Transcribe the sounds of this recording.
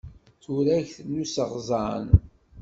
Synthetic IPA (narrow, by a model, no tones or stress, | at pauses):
θuɾæʝθnːusəʁzˤɑn